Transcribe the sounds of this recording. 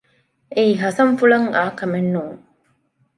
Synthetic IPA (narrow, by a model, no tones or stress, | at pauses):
ʔeiɦɐsɐɱfulɐŋaːkɐmenːuːŋ